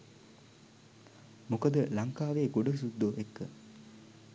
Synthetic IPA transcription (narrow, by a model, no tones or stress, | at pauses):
mukəd̪əlaŋkaːʋeːɡoɖəsud̪ːoʔekːə